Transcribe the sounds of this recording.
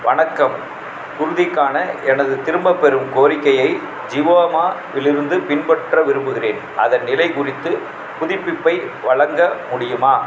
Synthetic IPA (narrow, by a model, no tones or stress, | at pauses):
ʋɐɳɐkːɐm | kʊɾɯðɪkːaːnɐɛnɐðɯt̪ɪɾɯmbɐpːɛɾɯmkoːɾɪkːɐjɐɪ | d͡ʒiːʋoːɐmaːʋɪlɪɾɯnd̪ɯpɪnpɐʈrɐʋɪɾɯmbɯɣɪreːn | ʔɐðɐnːɪlɐɪkʊrɪt̪ːɯ | pʊðɪpːɪpːɐɪʋɐɭɐŋɡɐmʊɽɪjɯmaː